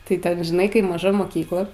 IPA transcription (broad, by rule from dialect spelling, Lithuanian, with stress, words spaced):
tɐɪ ˈtʲɛn ʒʲɪˈnɐɪ ˈkɐɪ mɐˈʒɐ moːˈkʲiːklˠɐ